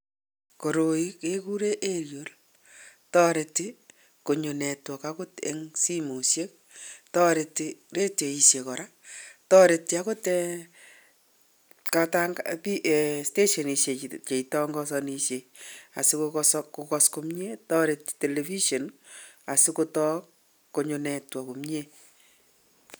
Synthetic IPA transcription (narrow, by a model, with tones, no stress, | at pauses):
ko˨ɾo˨i˦ke˦ku˦ɾe˦ʔe˦ɾjo˨l | tɔ˦ɾe˨tːi˦ | ko˨ɲo˨nɛ˨twɔ˨kako˦tḛ˨ŋsi˦mu˨sje˦k̚ | tɔ˦ɾe˨ti˨ɾe˦te˨i˨ʃje˨kɔ˨ɾa˦tɔ˦ɾe˨tːi˦a˦ko˦te | ka˦ta˦ŋapi˦ʔste˦ʃɔ˨ni˨ʃje˨t͡ʃe˨i˨tɔ˦ŋɡɔ˦sɔ˧niʃje˨a̰˨si˦koɔskokɔ˧skomɲe˦tɔ˦ɾe˨ti̥˨te˨le˨fi˦ʃo˨na˨sɪ˦ko˦tɔ˦k | kːo˨ɲo˨nɛ˨twɔ˨ko˨mɲe˦